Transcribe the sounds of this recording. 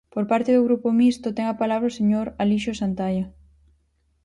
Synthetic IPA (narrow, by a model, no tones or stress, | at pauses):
poɾpaɾt̪eðoɣɾupomist̪ot̪ɛŋapalaβ̞ɾaoseɲoɾaliʃosant̪ajɐ